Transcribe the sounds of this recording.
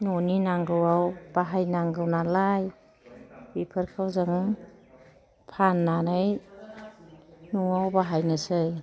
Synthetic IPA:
noninaŋɡɯwawb̥aɦajnaŋɡɯwnalaj | bipʰɯɾkʰawzɯŋ | pʰanːanɯj | nuawbaɦajnɯsɯj

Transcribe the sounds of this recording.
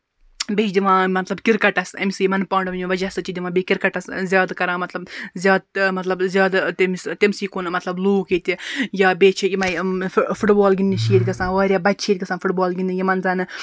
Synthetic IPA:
bet͡ʃd̪ʲiʋãːmɐt̪lɐbkiɾkɐʈɐsɐmisɨjimɐnpaːɳɖɐmʋɐd͡ʒɐsɐt͡ʃid̪ʲiʋãːbekiɾkɐʈɐszʲjaːd̪kɐɾãːmɐt̪lɐbzʲjaːd̪̚mɐt̪lɐbzʲjaːd̪t̪emst̪emsiːkonɨmɐt̪lɐbluːkit̪ʲijaːbʲeːt͡ʃʰiimɐ̃fuʈbaːlɡʲind̪iʃiːt̪ʲkɐsãːʋɐːɾʲjaːbɐtʲːt͡ʃʰiːd̪ʲkɐsãːfʰuʈbaːlɡind̪ijimɐnzaːnɨ

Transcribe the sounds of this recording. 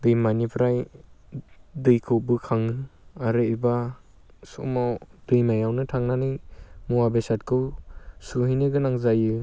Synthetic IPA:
dɯjmanipʰɾaj | dɯjkʰɯwbɯkʰaŋɯaɾɯba | sṵmawd̥ɯjmajawnɯtʰaŋnanɯjmuwabesat̚kʰɯwsuɦijnɯɡɯnaŋzajɯ

